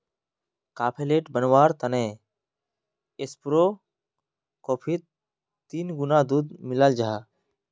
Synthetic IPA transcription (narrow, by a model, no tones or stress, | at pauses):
kaːpʰeleːʈbənwaːɾt̪əne | ɪspɾoː | koːpʰit̪ | t̪ːiːnɡʊnaːd̪uːd̪mɪləld͡ʒaːa